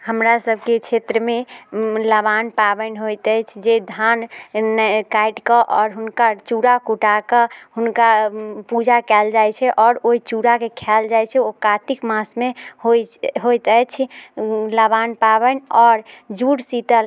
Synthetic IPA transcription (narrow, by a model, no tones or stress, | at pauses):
həmɾasəbʱket͡ʃʰet̪ɾəmeləbanpabənɦojt̪əjt͡ʃʰd͡ʒed̪ʱan | kajʈkəʔɔɾɦunkat͡ʃuɾakuʈakəɦunkapud͡ʒakɛld͡ʒajt͡ʃʰɛʔɔːɾoit͡ʃuɾakekʰɛld͡ʒajt͡ʃʰɛokat̪ikmasmehoɦojt̪ət͡ʃʰ | ləbanpabənɔɾd͡ʒuɽsit̪əl